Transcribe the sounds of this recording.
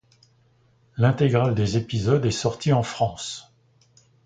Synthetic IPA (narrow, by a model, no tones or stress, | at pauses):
lɛ̃t̪eɡʁald̪ezepizɔd̪ɛsɔʁt̪iɑ̃fχɑ̃s